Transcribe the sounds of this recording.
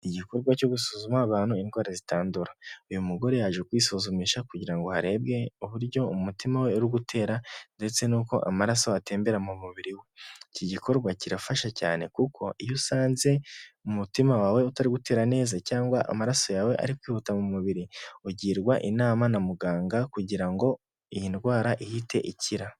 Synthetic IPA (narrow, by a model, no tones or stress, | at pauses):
iɟiko̞ɾɡwaco̞ɡusuzumaβaːnhuinwaːɾazitaːnduɾaujumuɡo̞ɾe̞jaʒekwiːsozumiːʃakuɟiɾaŋɡo̞haɾe̞ːbɡe̞uβuɾɟo̞umutimawe̞uɾiɡutʰe̞ːɾande̞t͡se̞nuːko̞̰ʔa̰maɾaso̞ate̞ːmbe̞ɾamumuβiɾiweciɟikʰo̞ɾɡwaciɾafaʃaca̰ːne̞kukʰo̞ʔijusaːnze̞umutimawawe̞utaɾiɡute̞ːɾane̞ːzacaːŋɡwaʔa̰maɾaso̞jawe̞ʔa̰ɾikwiːhutamumuβiɾiuɟiːɾɡwaʔinaːmanamuɡaːŋɡakuɟiɾaŋɡo̞ | ijinɡwaːɾaʔihitʰe̞̰ʔicʰiɾa